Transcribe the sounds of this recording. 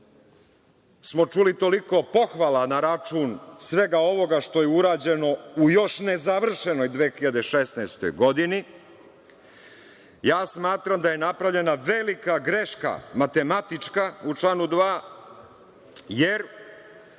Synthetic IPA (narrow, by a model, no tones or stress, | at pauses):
smo̞t͡ʂuːlit̪o̞liko̞po̞xʋalanaɾat͡ʂuːnsʋe̞ɡao̞ʋo̞ɡaʃt̪o̞jeuɾaːd͡ʑe̞no̞ujo̞ʃnezaʋr̩ʃeno̞jd̪ʋeːxiʎad̪e̞ʃesnaːst̪ojɡo̞d̪ini | jaːsmaːt̪ɾamd̪aje̞napɾavʎe̞naʋelikaɡɾeʃka̰mat̪e̞mat̪it͡ʂkaut͡ʂlˠaːnud̪ʋaː | jeɾ